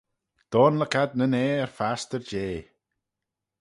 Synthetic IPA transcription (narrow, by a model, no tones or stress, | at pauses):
d̪̥ɔːnləkʰad̪̚nəneːəɹfast̪əɹd͡ʒeː